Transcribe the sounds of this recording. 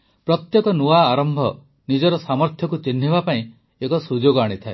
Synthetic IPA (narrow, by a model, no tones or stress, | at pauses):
pɾɔt̪jekɔnuaːɾɔmbʱɔ | nid͡ʒɔɾɔsamɔɾt̪ʰjɔkut͡ʃin̤ːibapaĩ | ekɔsud͡ʒoɡɔaɽ̃it̪ʰae